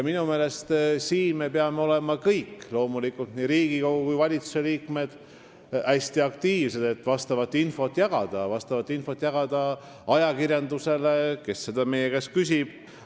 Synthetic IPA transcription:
jɑminume̞ːle̞st̪siːnme̞peɑmeo̞le̞mɑkɤjkːlo̞ːmulikːˑult̪niːɾiːɡ̥iko̞ɡukujvɑlʲit̪su̥se̞liːkme̞d̪̥ | æsʲt̪iɑkt̪iːvse̞d̪̥e̞t̪ːˑvɑst̪ɑvɑt̪ːinfo̞t̪ːˑjɑɡ̥ɑd̪̥ɑvɑst̪ɑvɑt̪ːˑinfo̞t̪ːˑjɑɡ̥ɑd̪̥ɑ | ɑjɑkirjɑnd̪use̞le̞ke̞sːe̞d̪̥ɑmejekæskys̬ʲib̥

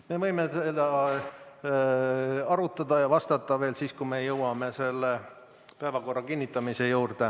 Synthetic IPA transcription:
me̞vɤjmesed̪ɑ | ɑɾut̪ːˑɑd̪̥ɑjɑvɑst̪ɑt̪ˑːɑve̞ːlsiːskume̞jɤwɑme̞se̞lːe | pæevɑko̞rːɑkinʲːit̪ːˑɑmise̞juːrd̪̥e

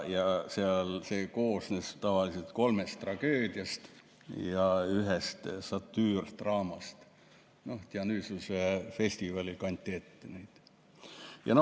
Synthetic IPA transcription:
jɑseɑlseko̞ːsnest̪ɑvɑliselt̪ko̞lmest̪t̪ːrɑɡ̥øːd̪̥ʲjɑst̪ | jɑyɦest̪sɑt̪ːyːrt̪rɑːmɑst̪ | noht̪jɑnyːsusefe̞sʲt̪ivɑlʲikɑnʲt̪ʲːet̪ːnyːd̪̥ | jɑ̰no

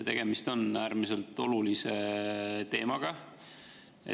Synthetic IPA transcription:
t̪e̞ɡ̥e̞mist̪o̞næːɾmise̞lt̪o̞luliset̪e̞ːmɑɡ̥ɑ | ḛ

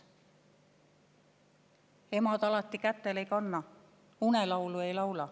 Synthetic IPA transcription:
emɑd̪ɑlɑt̪ːikæt̪ːeleikɑnːɑ | unelɑwlue̞ilɑwlɑ

